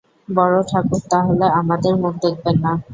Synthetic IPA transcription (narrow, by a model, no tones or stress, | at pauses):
bɔɽoʈʰakut̪aɦoleamad̪eɾmok̚d̪ek̚benːa